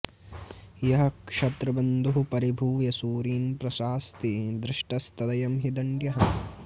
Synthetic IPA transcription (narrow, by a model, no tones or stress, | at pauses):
jɐɦɐkʂɐt̪ɾɐbɐnd̪uɦupɐɾibʱuːjɐsuːɾiːnpɾɐsaːst̪id̪ɾɪʂʈɐst̪ʰɐd̪ɐjɐmɦid̪ɐɳɖjɐɦɐ